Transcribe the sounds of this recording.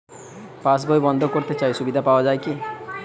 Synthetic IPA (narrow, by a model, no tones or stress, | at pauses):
pas̬bojbɔnd̪ʱɔkoɾt̪et͡ʃajsubid̪ʱapaoad͡ʒaeki